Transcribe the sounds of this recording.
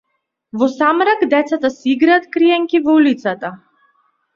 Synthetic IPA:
vɔsamɾakd̪ɛt̪sat̪asɛiɡɾaːt̪kɾiɛŋkivɔulit̪sat̪a

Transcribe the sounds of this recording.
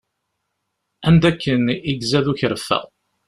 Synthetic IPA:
ænd̪ækːəniɡzæðuçɾəfːæ̰ʁ

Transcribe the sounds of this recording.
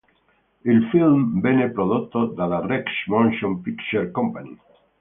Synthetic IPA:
ilfilmbenepɾoðot̪ːod̪alarɛkʃmõnʃõmpikt͡ʃeɾkompanḭ

